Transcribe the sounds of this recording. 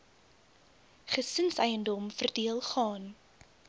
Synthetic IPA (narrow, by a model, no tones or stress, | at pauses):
χəsənsɛjəndɔmfərdiəlˠχɑːn